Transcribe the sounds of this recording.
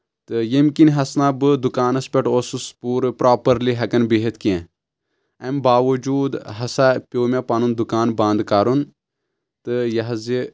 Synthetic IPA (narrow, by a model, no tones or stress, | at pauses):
t̪ɨjɐmkinɦɐsnaːbɨd̪ukaːnɐspʲeʈoːsuspuːɾpɾʔaːpɐɾliɦɐkɐnbeɦet̪ʰkiẽ | ɐmbaːʋɐd͡ʒuːd̪ɦɐsapʲoːmʲapɐnund̪ukaːnbãːnd̪kaɾun | t̪ɨjɐɦɐzi